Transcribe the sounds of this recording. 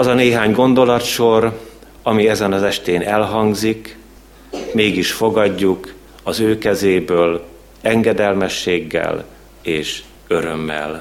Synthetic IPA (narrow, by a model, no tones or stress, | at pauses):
ɒzɒneːɦaːɲɡo̞nd̪o̞lɒt̪ʃo̞r | ɒmiɛzɛnɒzɛʃt̪eːnʔɛlɦɒŋɡzik | meːɡiʃfo̞ɡɒɟːuk | ɒzøːkɛzeːbøːl | ɛŋɡɛd̪ɛlmɛʃːeːɡːɛ̰l | eːʃ | ø̞ɾømːɛ̰l